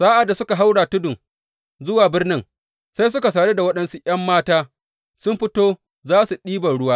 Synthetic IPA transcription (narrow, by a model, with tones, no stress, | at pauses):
saː˦ʔa˨dːa˨sʊ˦ka˨ɦa˦wɽaː˨tʊ˦dʊ˨ŋ | zʊ˦waː˨bɪ˦rnɪ˦ŋ | sa˦js̬ʊ˦ka˨s̬aː˨ɽeː˦da˨wɐ˦ɗɐ˨nsu˦ʔj̰ɐ˦mːaː˦taː˦ | sʊ˦mɸɪ˦toː˦ | zaː˦su˨ɗiː˦bɐ˨ɽʊ˦waː˦